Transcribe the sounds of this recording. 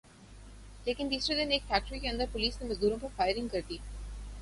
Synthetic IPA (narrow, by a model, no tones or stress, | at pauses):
leːkɪ̃nd̪iːsɾad̪ɪneːkfʰæːk̚ʈəɾikeɐ̃nd̪əɾpoliːsnemɐzɡ̪uːɾõpɐɾfaɪɾɪ̃ŋkɐɾt̪iː